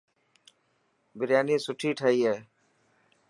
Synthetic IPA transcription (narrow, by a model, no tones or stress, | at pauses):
bɪɾjaːniːsʊʈʰiːʈʰaːiːɦɛː